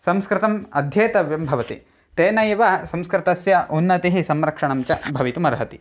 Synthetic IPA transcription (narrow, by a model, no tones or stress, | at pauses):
sɐmskɾɪt̪ɐmɐd̪ʱjeːt̪ɐʋjɐmbʱɐʋɐt̪ḭ | t̪eːnɐjɐʋɐsɐmskɾɪt̪ɐsjɐʔunːɐt̪iɦisɐmɾɐkʂɐɳɐmt͡ʃɐbʱɐʋit̪umɐɾɐɦɐt̪i